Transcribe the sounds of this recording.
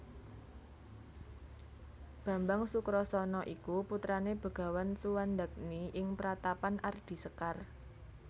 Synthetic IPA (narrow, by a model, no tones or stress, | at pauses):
b̥ä̤mbaŋsukɾɔsɔnɔʔikuput̪ɾaneb̥ə̤ɡ̥a̤wansuwand̪ak̚niʔɪŋpəɾat̪apanʔard̪̥i̤səkar